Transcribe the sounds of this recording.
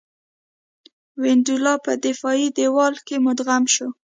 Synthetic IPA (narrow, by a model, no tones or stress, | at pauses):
wɪnd̪ulɑpəd̪ɪfɑid̪ewɑlkemʊd̪ɣamʃo